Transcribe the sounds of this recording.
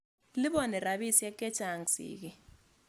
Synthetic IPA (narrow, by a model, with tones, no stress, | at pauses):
li˦ɓɔ˦˨nɛ˨ra˨ɓi˦si˦ja˦kʼɛ̥˦t͡ʃʰʼa˨ŋsḭːk̬i